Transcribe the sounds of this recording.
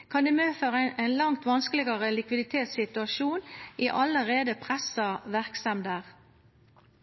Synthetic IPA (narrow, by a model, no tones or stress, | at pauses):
kʰɑnd̪ʉːmøːføːʁʔæɪnlɑŋt̪ʋɑnskəlɪɡɑʁəlɪkʋɪd̪ɪt̪ʰeːt̪sɪt̪ʉɑʃuːniːʔɑləʁeːd̪əpʰʁɛsɑʋæʁksɑmd̪æːʁ